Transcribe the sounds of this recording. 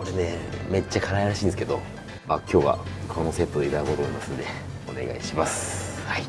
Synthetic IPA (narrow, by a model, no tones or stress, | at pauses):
ko̞ɾene̞me̞t͡ɕːakaɾaiɾaɕĩːnd̪esɨ̥ked̪o̞ | makʲʰo̞ːβa̰kʰono̞se̞t̪ːod̪eiɾakot̪oːimasɨ̃nd̪e̞ | o̞ne̞̰ɡa̰iɕimasɨ̥ai